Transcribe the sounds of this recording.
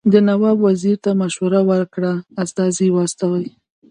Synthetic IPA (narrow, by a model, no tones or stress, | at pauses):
d̪ənawɑbwaziɾt̪amaʃwaɾawəɾkɽaːst̪ɑziwɑst̪awaj